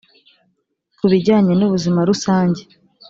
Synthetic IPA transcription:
kuβiɟaːɲenuβuzimaɾusaːɲɟe

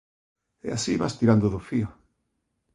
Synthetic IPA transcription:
ḛasiβast̪iɾand̪ʊðʊfiʊ

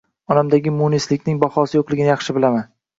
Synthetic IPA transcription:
ɒnamd̪aɡʲɪmunislɪkʲnɪŋbɒhɒsɪjoqlˠɪɡʲɪnjɑχʃɪbɪlaman

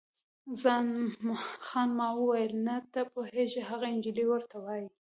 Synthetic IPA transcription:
zɑn | xɑnmɑwəwajəlnat̪apoheʒeɦaɣaɪnd͡ʒiliwəɾt̪awɑji

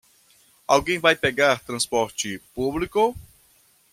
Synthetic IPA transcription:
awɡẽj̃vajpɛɡaɾt̪ɾɐ̃spɔɾt͡ʃɪpublikʊ

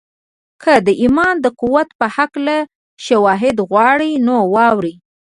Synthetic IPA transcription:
kʰəd̪əʔimɑnd̪əquwat̪pəhakla | ʃawɑɦɪd̪ɣwɑɽinowɑwɾi

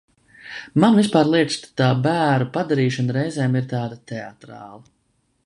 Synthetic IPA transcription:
manvispaːɾlˠiɛt̪st̪t̪aːbæːɾupad̪aɾiːʃanɾɛjzɛːmiɾt̪ɑːd̪at̪ɛa̰t̪ɾa̰ːlˠɐ

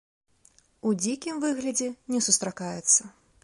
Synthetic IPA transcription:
ud͡zʲikʲimvɨɣlʲɐd͡zʲɛnʲɛsust̪ɾakajɛt̪sːɐ

